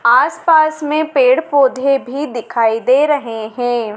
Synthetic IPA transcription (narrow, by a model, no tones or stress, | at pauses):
aːspaːsmẽpeːɽpoːd̪ʱebʱid̪ɪkʰaːid̪eːɾɐɦeɦɛ̃ː